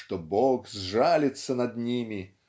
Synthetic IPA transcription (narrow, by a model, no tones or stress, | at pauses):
ʂt̪ɔbɔɡzʐalʲɪt̪sːənɐd̪nʲimʲi